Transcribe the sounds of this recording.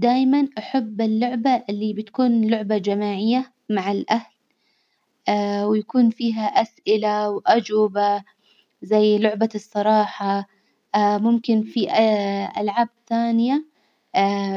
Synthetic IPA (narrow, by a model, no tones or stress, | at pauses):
d̪aːjmanʔaħabːɪlːʊʕbaʔɪlːibɪt̪kuːnlʊʕbad͡ʒamaːʕɪjːa | maʕalʔahl | awɪjakuːnfiːɦaʔasʔɪlawʔad͡ʒwɪba | zajːlʊʕbasˤːɑɾˤɑːħa | mʊmkɪnfiʔʔa̰lʕaːbθaːnɪja